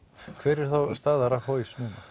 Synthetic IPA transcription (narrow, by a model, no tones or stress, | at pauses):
kʰvɛːɾɛɾ̥θawst̪aːðaɾahoːɥsnuːna